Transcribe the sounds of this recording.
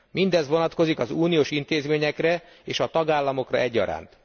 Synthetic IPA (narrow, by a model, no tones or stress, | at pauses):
mind̪ɛzʋo̞nɒt̪ko̞zikɒzuːnijoːʃint̪eːzmeːɲɛkrɛ | eːʃɒt̪ɒɡaːlːɒmo̞krɒɛɟːɒ̰ɾa̰ːnt̪